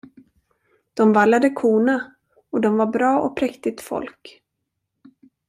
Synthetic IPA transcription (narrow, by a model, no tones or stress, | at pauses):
d̪̥ɔmvalːad̪əkʰuːna | ɔd̪ɔmvaɾbɾɑːʔɔ̰pʰɾɛkt̪ɪt̪fɔ̰lk